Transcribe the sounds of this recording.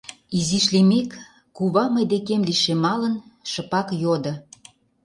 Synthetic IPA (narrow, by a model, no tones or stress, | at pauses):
iziʃlemekː | uβɑmɤjd̪ekemliʃemɑlənʃə̆pɑkjod̪ə̆